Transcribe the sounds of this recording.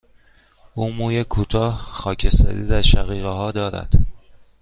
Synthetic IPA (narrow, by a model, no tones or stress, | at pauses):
ʔuːmuːjekʰuːt̪ʰɒːhxɒːcʰest̪æ̰d̪iːd̪æɾʃæɣiːɣeɦɒːd̪ɒːɾæ̰d̪̥